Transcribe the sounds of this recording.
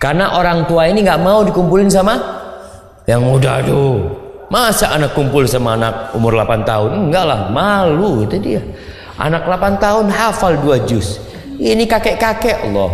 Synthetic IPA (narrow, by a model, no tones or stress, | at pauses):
karnaʔoɾaŋt̪uainiŋɡaʔmaudikumpulɪnsama | jaŋmuda̰ht̪u | masaʔanakːumpʊlsamaːnak̚ṵmʊrlapant̪aɦʊnŋɡaʔla̰hmaluit̪udḭa | ʔa̰naklapant̪aɦʊnɦafalduad͡ʒʊs | inikakɛʔkakɛʔa̰lːɔ̰